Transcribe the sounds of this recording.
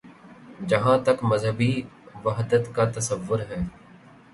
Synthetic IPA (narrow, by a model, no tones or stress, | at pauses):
d͡ʒəɦãːt̪əkməzɦəbiːʋəɦd̪ət̪kaːt̪əsəʋːʊɾɦɛː